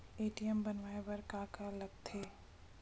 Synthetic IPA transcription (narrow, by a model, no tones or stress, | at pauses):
eːʈijəmbɐnʋaːebɐɾkaːkalɐɡ̚t̪ʰeː